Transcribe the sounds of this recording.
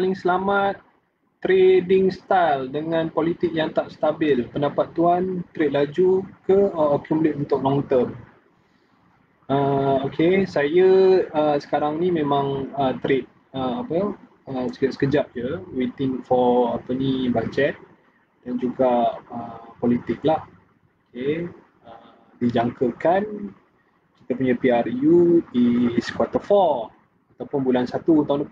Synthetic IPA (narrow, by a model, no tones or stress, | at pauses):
palɪŋsəlamat̪ː | ɾedɪŋst̪aldəŋãnpolit̪ɪk̚jaŋt̪aʔsə̥t̪abɪlpəndapat̪ːuant̪ɾɪt̪̚lad͡ʒukəkumlɪʔ̪unt̪ʊk̚lɔŋt̪əm | əokʰesajəəsə̥kaɾaŋnimẽmãŋət̪ɾet̪̚ | əapəː | sksə̥kəd͡ʒap̚d͡ʒəwit̪ɪ̃ŋfɔapənibad͡ʒɛt̪̚ | d̥and͡ʒuɡaəpɔlit̪ɪk̚lah | oke | ə | did͡ʒaŋkəkan | kit̪əpuɲãpiarjudiskwat̪əfɔ | at̪awpʊnbulansat̪ut̪aun